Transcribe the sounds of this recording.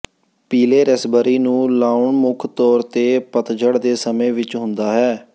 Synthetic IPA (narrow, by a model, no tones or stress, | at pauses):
piːleːɾəsbəɾiːnũːlaːʊɳmʊkʰt̪ɔːɾt̪eːpət̪d͡ʒəɽd̪eːsəmẽːʋɪt͡ʃɦʊ̃nd̪aːɦɛː